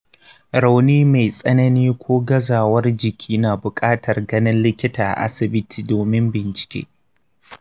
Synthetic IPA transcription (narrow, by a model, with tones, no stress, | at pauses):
ɾa˨wniː˦ma˨jsʼɐ˦nɐ˦niː˦kʷʰoː˦ɡɐ˦zaː˨wɐ˦rd͡ʒɪ˨kʲʰiː˦naː˨bʊ˨kʼaː˦tʰɐ˨rɡɐ˦nɪ˦nlɪ˦kʲɪ˦taː˨ʔa̰˦sɪ˨bɪ˦tʰi̥ː˨doː˨mɪ˦mbɪ˨nt͡ʃɪ̥˨kʲḛː˦